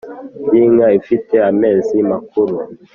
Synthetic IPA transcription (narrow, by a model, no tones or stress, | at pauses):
biŋaifitɛamɛzimak̚uɾo